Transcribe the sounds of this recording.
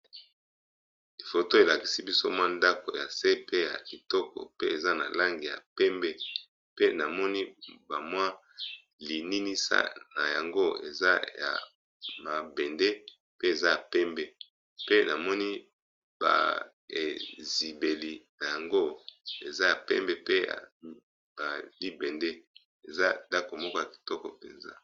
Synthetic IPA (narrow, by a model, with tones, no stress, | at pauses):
li˨fo˨to˦e˨la˨ki̥˨si˦bi˦so˦mwa˦nda˦ko̰˨ja̰˨se˦pe˦ja̰˨i˨tɔ˦kɔ̰˨pe˦e˨za˦na̰˨la˦ŋɡi˨ja̰˨pɛ˦mbɛ˦ | pe˦na˨mɔ˦ni˦ba˨mwa˦ | li˨ni˦ni˦sa̰˦na̰˨ja˨ŋɡo˦ḛ˨za̰˦ja̰˨ | ma˨bɛ˨nde˦ | pe˦e˨za˦ja˨pɛ˦mbɛ˦ | pe˦na˨mɔ˦ni˦ | ba̰˨ | e˨zi˨be˨li˨na˨ja˨ŋɡo˦e˨za˦ja˨pɛ̰˦mbɛ˦pe˦ja̰˨ | ba˨li˦bɛ˨nde˦ | e˨za˦da˦ko˨mɔ˦kɔ˦ja˨ki̥˨tɔ˦kɔ̰˨pḛ˨nza̰˦